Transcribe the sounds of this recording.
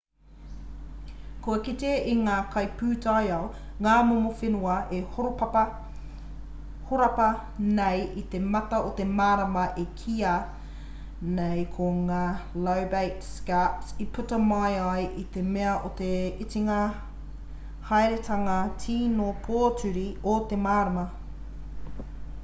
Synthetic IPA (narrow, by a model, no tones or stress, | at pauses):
koɐkit̪eiŋaːkʰɐjpʰʉːtɐjɐwŋaːmomofenuɐʔehoɾopɐpɐ | hoɾɐpɐ | nejit̪emɐt̪ɐot̪emaːɾɐmɐʔekʰiɐ | nejkʰoŋaːlɐwbejtskætsipʰutɐmajɐjʔit̪emeɐʔot̪eitiŋɐ | hajɾet̪ʰɐŋɐtʰiːnopʰoːtʉɾiot̪emaːɾɐmɐ